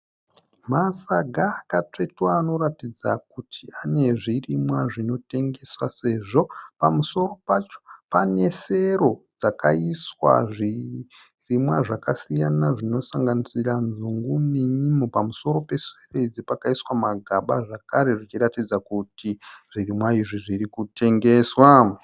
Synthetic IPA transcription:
masaɡʱaːkatetwaːno̞ratid͡zak̚utʰiane̞ʐirimwaʐino̞te̞ŋɡe̞swase̞ʐo̞pamuso̞ro̞pat͡ʃo̥pane̞se̞ɾo̞d͡zakaiswa̰ʐi | rimwaʐakasijanaʐino̞saŋɡanisiranzuŋɡumiɲimopamuso̞ɾo̞pe̞sereid͡zipakaiswamaɡʱaɓaʐakaɾe̞ʐit͡ʃiɾatid͡zakutiʐ̥irimwaiʐiʐiɾikute̞ŋɡe̞swa

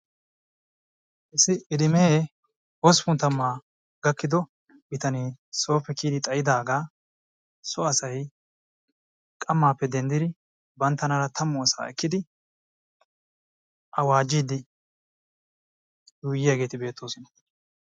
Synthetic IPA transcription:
ʔɪsːɪʔɪd̪ɪmeː | wɔspʊnt̪ɐmːaː | ɡɐkːɪd̪ɔ | bɪt̪ɐniːso̞ːpːɛkiːd̪ɪt̪ʼɐjɪd̪aːɡaː | sɔɐsɐj | kʼɐmːaːpːɛd̪ɛnd̪ɪd̪ɪ | bɐnt̪ːɐnɐɾɐt̪ʰɐmːʊɐsa̰ːɛkːɪd̪ɪ | ʔɐwaːd͡ʒiːd̪ɪ | juːjːɪjaɡe̞ːt̪ɪbe̞ːt̪ːoːsɪn

